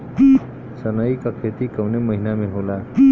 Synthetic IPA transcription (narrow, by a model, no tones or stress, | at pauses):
pi | sənəikakʰet̪ikəwneməɦinameɦola